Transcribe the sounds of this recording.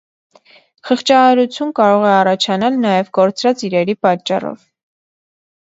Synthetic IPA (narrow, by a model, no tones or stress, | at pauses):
χəχt͡ʃɑhɑɾut͡sʰjunkɑɾɔʁɛɑrɑt͡ʃʰɑnɑlnɑjɛvɡɔɾt͡sɾɑt͡siɾɛɾipɑt͡ʃːɑ̰rɔ̰v